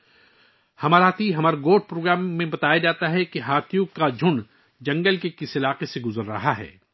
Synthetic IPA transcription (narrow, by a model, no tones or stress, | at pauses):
hɐmaːɾat̪ʰiɦɐmaːɾɡoːʈ̚pɾoːɡɾaːmːẽbɐt̪aːjad͡ʒaːt̪aɦɛkiɦaːt̪ʰjuːkːad͡ʒʱʊɳ | d͡ʒɐ̃ŋɡəlkekɪsɪlaːqeseɡʊzəɾːɐ̰ɦaɦɛ̰ː